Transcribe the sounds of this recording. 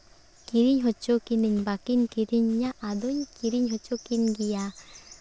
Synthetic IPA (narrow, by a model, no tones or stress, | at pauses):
kiɾiɲɦɔt͡ʃɔkiniɲbakinkiɾiɲːaʔad̪ɔɲkiɾiɲɦɔt͡ʃɔkinɡija